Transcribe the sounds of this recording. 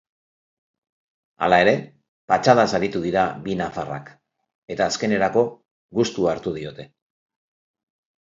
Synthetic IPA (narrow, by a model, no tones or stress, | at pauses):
a̰lae̞ɾe̞ | pat͡ʃað̞asaɾit̪uðiɾaβinafara̰k | e̞t̪aːske̞ne̞ɾako̞ | ɣust̪uaɾt̪uð̞io̞t̪e̞